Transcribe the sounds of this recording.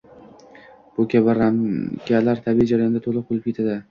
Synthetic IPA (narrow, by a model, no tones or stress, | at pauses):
b̥ʊkʲabɪɾamkʲalaɾt̪ʰabiid͡ʒaɾajɒnd̪at̪ʰolˠɨq̚bolɪpkʲe̞t̪ʰad̪ɪ